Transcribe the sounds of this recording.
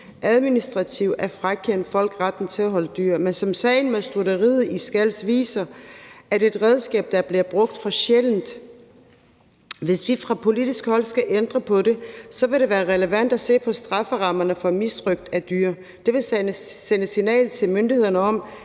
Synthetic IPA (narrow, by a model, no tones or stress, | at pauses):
ʔæð̞ˠminisd̥ʁɑ̈t͡sʰiʊæɐfʁakʰen̰d̥fɒ̽l̰ɡ̥ʁɑd̥n̩t͡sʰe̝læɦɒ̽ləd̥yːɐ̰mensɒ̽msɛɪnmeðˠsd̥uɾɐʁið̩ˠisɡ̥æl̰sʋḭːsɐʔæd̥e̝d̥ʁɛð̞ˠsɡ̥ɛ̰ːb̥̚d̥ɑ̈b̥liɐb̥ʁɔ̽ɡ̥̚d̥fʁɑ̈ɕeln̩d̥ | ʋe̝sʋifʁɑ̈pʰo̝lidisɡ̥hɒ̽l̰sɡ̥æʔend̥ʁɐpʰɒ̽ɾe̝sɒ̽ʋe̝ɾe̝ʋæːɐʁɛləʋæn̰d̥æse̝̰ːpʰɒ̽sd̥ʁɑ̈fəʁɑ̈mɐnəfɒ̽misd̥ʁœɡ̥̚d̥æd̥yːɐ | d̥e̝ʋe̝ssenəsinɛ̰ːlð̩ˠt͡sʰe̝lmønd̥ihe̝ð̞̰ˠɐnəɒ̽m̰